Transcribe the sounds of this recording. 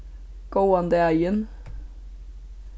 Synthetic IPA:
ɡ̥oːɑnd̪əæʏən

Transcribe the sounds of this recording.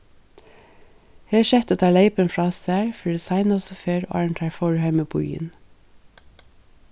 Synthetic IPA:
heːʃɛt̪oːt̪ʰɑːleɪpənfɹɑːsæːɹfɔɖesɑɪnɔsɔfeːɹo̰ʔɑ̰ːɹɳt̪ʰɑːfɔɹhæɪməpʰʊ̰ḭːn

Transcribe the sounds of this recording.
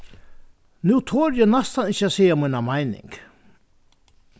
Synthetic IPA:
nuːt̪ʰɔːɾjɛnast̪anɪt͡ɕːasɛjamajnamajnɪ̰ŋk

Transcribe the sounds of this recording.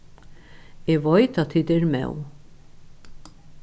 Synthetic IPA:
ɛvɔjt̪at̪ʰiːt̪ɛɾmɛ̰w

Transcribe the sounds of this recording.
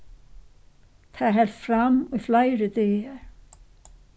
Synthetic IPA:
θʰaðɦɛl̥t̪fɾamʏflaːjɾɪt̪ejaɾ̥

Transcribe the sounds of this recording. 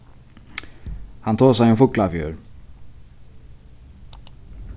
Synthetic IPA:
hant̪ʰoːs̬ɛjɛnfʊklafjøːɾ

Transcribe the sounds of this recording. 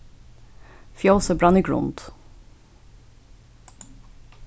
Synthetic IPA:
fjoːsəbɹɑniɡɹʊ̰nd̪̥

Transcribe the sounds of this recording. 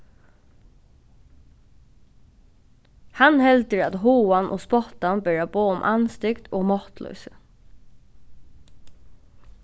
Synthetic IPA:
hanhɛlt̪əɹat̪ɦuːanʔo̰ːspɔt̪anbæːɹaboːʊmʔanst̪ɪkt̪oːmɔht̪lœ̰ʉsə

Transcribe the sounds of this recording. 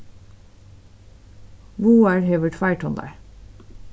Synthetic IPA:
ʋuːæːɹhɛʋəʈfæɪʈʰɔnd̪æ̰ː

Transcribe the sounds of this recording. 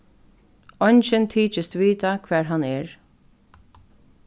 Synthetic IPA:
ɔjnt͡ʃɪnt̪ʰiːt͡ʃɪst̪ʋiːt̪akʰvɛːɹɦanɛɹ

